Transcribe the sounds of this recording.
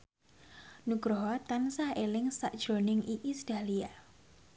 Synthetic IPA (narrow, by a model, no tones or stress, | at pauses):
nuɡ̥ɾoɦɔt̪ansaelɪŋsaʔd̥ʒ̥ɾonɪŋʔiʔisd̥a̤lia